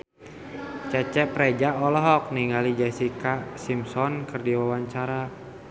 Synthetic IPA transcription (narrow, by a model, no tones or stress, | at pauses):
t͡ʃɛt͡ʃɛpɾɛd͡ʒaɔlɔɦɔk̚niŋɡalid͡ʒɛsikasimsɔnkɨrdiwawaɲt͡ʃaɾa